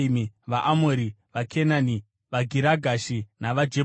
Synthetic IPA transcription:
imiʋaʔamoɾi | ʋakʰenani | ʋaɡʱiɾaɡʱaʃinaʋad͡ʒe

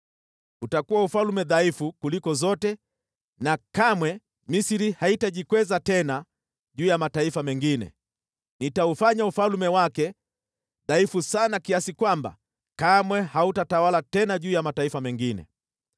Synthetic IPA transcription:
utakuwaufalmɛðaifukulikɔzɔtɛ | nakamwɛ | misiɾihaitaʄikwɛzatɛna | ʄuːjamataifamɛŋɡinɛ̰ | nitaufaɲaufalmɛwakɛ | ðaifusanakiasikwamba̰ | kamwɛhautatawalatɛnaʄuːjamataifamɛŋɡinɛ̰

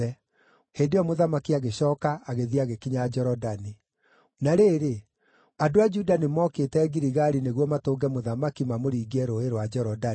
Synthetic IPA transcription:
ɛ | hendeɔmoðamakiaɣeɕɔːkaːɣeðiaɣekiɲad͡ʒɛɾɔdani | naɾeɾe | adoad͡ʒudanemɔːketɛɣiɾiɣaɾineɣwɔmatoːŋɡɛmoðamakimamoɾiːɡɛɾoeɾwad͡ʒɛɾɔda

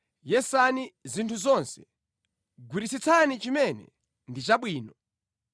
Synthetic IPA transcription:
jɛsanizintʰuzɔnsɛ̥ | ɡwuɾisit͡sʰanit͡ʃimɛnɛ̰ | ndit͡ʃaɓwiːnɔ

